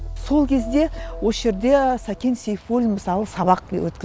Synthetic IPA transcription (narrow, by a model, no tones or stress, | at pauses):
so̞lˠkʲʰe̞zd̪e̞wosʒe̞ɾd̪e̞sɑkʲensejfolʲməsɑlˠəsɑβɑq̚b̪ḛwɵt̪̚kʲɪ